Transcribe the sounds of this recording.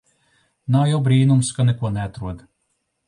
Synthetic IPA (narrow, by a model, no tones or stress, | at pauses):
nawjawbɾiːnumskanɛkuɔnɛat̪ɾuɔd̪